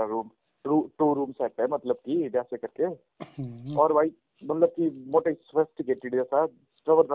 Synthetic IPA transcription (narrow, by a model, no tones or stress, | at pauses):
aɾuːm | ɾuʈuːɾuːmsɛːʈ̪ɦɛmɐt̪ləb̚kid̪jaːsekɐɾke | ɔːɾʋaːi | mɐt̪ləb̚kimoːʈasʋəsʈkeʈɪɖd͡ʒɛːsa | sʈɾəʋəɾd̪